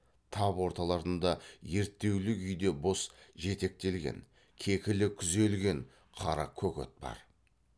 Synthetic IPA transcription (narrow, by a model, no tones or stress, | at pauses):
t̪ʰɑpwo̞ɾt̪ɑlˠɑɾənd̪ɑje̞ɾt̪ːe̞wlɪʏjd̪e̞bosʒe̞t̪e̞k̚t̪e̞lɡʲḛŋ | kʲʰe̞kʲɪlɪkʲʰʏze̞lɡʲe̞ɴ | qʰɑɾɑ̰kʲʰɵkʲḛt̪̚bɑ̰ɾ